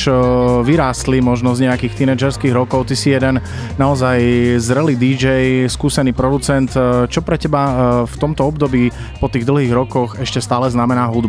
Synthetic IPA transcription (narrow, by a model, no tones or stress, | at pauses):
ʋiɾaːst̪limɔʒnɔzɲɛjakiːxt̪inɛd͡ʒɛɾskiːɣɾɔkɔʊt̪isijɛd̪ɛn | naɔzajzɾɛliːd̪id͡ʒɛjskuːsɛniːpɾɔd̪ut͡sɛnt̪t͡ʃɔpɾɛcɛbaft̪ɔmt̪ɔɔbd̪ɔbiː | pɔt̪iːɣd̪l̩ˠɦiːɣɾɔkɔxɛʃcɛst̪aːlɛznamɛnaːɦud̪b